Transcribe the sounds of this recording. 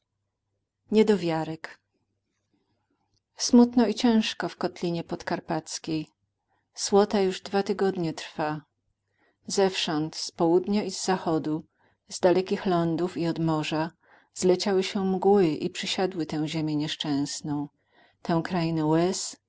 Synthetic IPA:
ɲɛd̪ɔvʲjaɾɛk | smut̪nɔit͡ɕɛ̃ʂkɔfkɔt̪lʲiɲɛpɔt̪kaɾpat̪skʲej | swɔt̪ajuʐd̪vat̪ɘɡɔd̪ɲɛt̪ɾfa | zɛfʂɔnt̪spɔwud̪ɲaizːaxɔd̪u | zd̪alɛkʲixlɔnd̪ufiɔd̪mɔʐa | z̥lɛt͡ɕawɘɕɛmɡwɘʔipʂɘɕad̪wɘt̪ɛ̃w̃ʑemʲjɛɲɛʂt͡ʂɛ̃w̃snɔ̃w̃ | t̪ʰɛ̃w̃kɾajinɛwɛs

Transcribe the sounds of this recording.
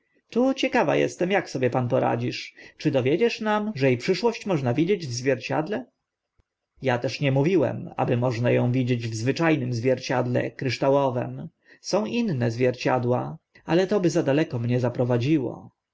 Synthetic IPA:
t̪ut͡ɕɛkava̰jɛ̰st̪ɛmjaksɔbʲjɛpanpɔɾa̰d͡ʑiʂt͡ʂɘd̪ɔvʲjed͡ʑɛʂnamʐɛjepʂɘʂwɔɕt͡ɕmɔʐnavʲid͡ʑed͡ʑvzvʲjɛɾt͡ɕa̰d̪lɛ | jat̪ɛʂɲɛmuvʲiwɛ̰ma̰bɘmɔʐnajɔ̃w̃vʲid͡ʑed͡ʑvzvɘt͡ʂajnɘmzvʲjɛɾt͡ɕad̪lɛ̰kɾɘʂt̪awɔvɛ̰m | sɔ̃w̃ʔinːɛzvʲjɛɾt͡ɕad̪wa | alɛt̪ɔbɘzad̪alɛkɔmɲɛzapɾɔvad͡ʑiwɔ̰

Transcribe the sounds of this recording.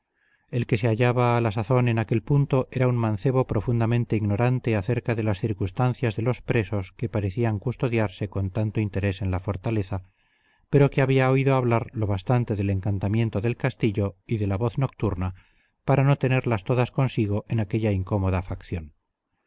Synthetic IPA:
e̞lke̞se̞aʎaβaːlasaθo̞ne̞nake̞lpunt̪o̞ʔe̞ɾauŋmãnθe̞βo̞pɾo̞fund̪amẽnt̪e̞iɣno̞ɾant̪e̞aθe̞ɾkaðe̞lasθiɾkust̪anθjazðe̞lo̞spɾe̞so̞ske̞paɾeθiaŋkust̪o̞ðjaɾse̞ko̞nt̪ant̪o̞int̪e̞ɾe̞se̞nlafo̞ɾt̪ale̞θa | pe̞ɾo̞keaβiaoiðoaβlaɾlo̞β̞ast̪ant̪e̞ðe̞le̞ŋkant̪amje̞nt̪o̞ðe̞lkast̪iʎo̞iðelaβo̞θno̞k̚t̪uɾna | paɾano̞t̪e̞ne̞ɾlast̪oðasko̞nsiɣ̞o̞ʔe̞nake̞ʎaiŋko̞mo̞ðafakθjo̞n

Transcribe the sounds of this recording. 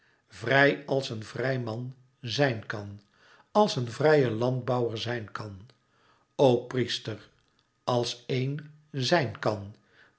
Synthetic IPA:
vrɛjɑlˠsənvrɛjmɑn | zɛjnkɑn | ɑlˠsənvrɛjəlɑnd̚bɑwəɹzɛjnkɑn | owpristər | ɑlˠsejn | zɛjnkɑn

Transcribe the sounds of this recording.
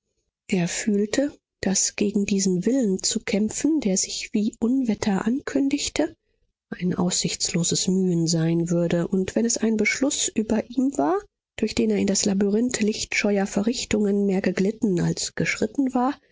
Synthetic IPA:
ʔeːɐfyːltʰə | d̥asɡ̥eːɡŋ̩diːzn̩vɪlənt͡sukʰɛmfn̩deːɐzɪçv̥iːʔʊnvɛtʰɐʔankʰʏndɪçtʰə | ʔaɪnʔa̰ʊsz̥ɪçt͡sloːzəsmyːənzaɪnvʏɐdəʔʊntv̥ɛnɛsaɪnbəʃlʊsʔyːbɐʔiːmvaːɐ | d̥ʊɐçd̥eːneːɐɪndaslabyʁɪntlɪçtʃɔʏɐfɛɐʁɪçtʊŋənmeːɐɡəɡlɪtn̩a̰lsɡ̥əʃʁ̥ɪtn̩vaːɐ

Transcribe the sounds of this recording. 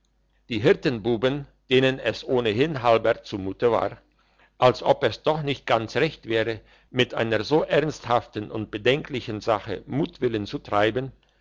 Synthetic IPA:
d̥iːɦɪɐtənbuːbənd̥eːnənɛsʔoːnəɦɪnɦalbɐɐt͡sumuːtəva̰ːɐ | ʔalsʔɔpɛsd̥ɔχnɪçt̚ɡ̥ant͡sʁɛçtv̥ɛːʁ̞ə | mɪtʔa̰ɪnəɐzoːʔɛɐnsthaftn̩ʊnt̚b̥ədɛŋkʰlɪçənzaχə̰muːtv̥ɪlənt͡sutʁ̥aɪbən

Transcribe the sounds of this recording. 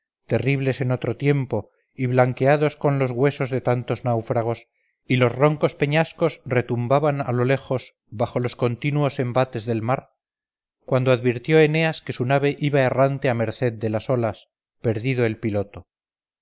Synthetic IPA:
t̪e̞riβle̞se̞no̞t̪ɾo̞t̪je̞mpo̞ | iβlaŋkeaðo̞sko̞nlo̞zɣwe̞so̞zðe̞t̪ant̪o̞znawfɾaɣ̞o̞s | ilo̞zro̞ŋko̞spe̞ɲasko̞sre̞t̪umbaβana̰lo̞le̞xo̞z | baχo̞lo̞sko̞nt̪inuo̞se̞mbat̪e̞zðe̞lmaɾ | kwand̪oaðβiɾt̪jo̞e̞ne̞aske̞sunaβ̞e̞ʔiβae̞rant̪e̞ame̞ɾθe̞ðd̪e̞laso̞las | pe̞ɾðiðo̞e̞lpilo̞t̪o

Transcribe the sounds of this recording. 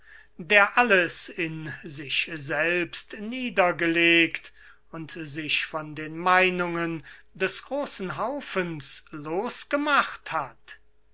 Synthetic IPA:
deːɐʔaləsɪnzɪʃzɛlpstniːdɐɡəleːkt | ʊntzɪʃfɔndeːnmaɪnʊŋən | dɛsɡ̥ʁoːsn̩ɦaʊfənsloːsɡ̥əmaχthat

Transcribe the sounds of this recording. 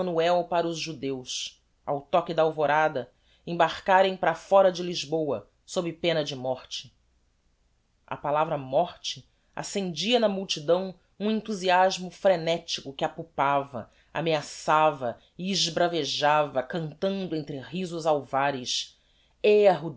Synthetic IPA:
ɐnuɛwpaɾɐʊzʒud̪ews | a̰wt̪ɔkɪd̪ɐaawvoɾad̪ɐ | ẽbaɾkaɾẽj̃pɾɐfɔɾɐd͡ʒɪliʒbowɐ | sobɪpẽnɐd͡ʒɪmɔχt͡ʃɪ̥ | ɐ̰palavɾɐmɔχt͡ʃɪ | a̰sẽnd͡ʒiɐnɐmuwt͡ʃid̪ɐ̃w̃ | ũẽnt̪uziaʒmʊfɾenɛt͡ʃi̥kʊkɪapupavɐ | a̰measavɐ | ɪːʒbɾaveʒavɐkɐ̃nt̪ɐ̃nd̪ʊẽñt̪ɾɪɦizʊzawvaɾɪs | eɐɦu

